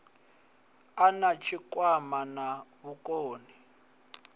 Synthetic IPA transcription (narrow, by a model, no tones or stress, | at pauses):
anat͡ʃʰikwamanaβukoːni